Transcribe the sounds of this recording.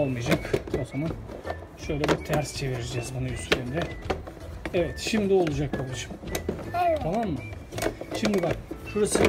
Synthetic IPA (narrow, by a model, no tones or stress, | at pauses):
olˠmɯjad͡ʒakozoman | ʃø̞jlʲɛbit̪ʰæɾst͡ʃʰe̞viɾid͡ʒɛzbunujyst̪lʲeɾind̪ɛ | evɛt̪ʃimd̪io̞lˠud͡ʒak̚kʰab̪ˠɯʃɯ̥mʰ | amamːɯ | ʃimd̪ibak̚ʃuɾasɯ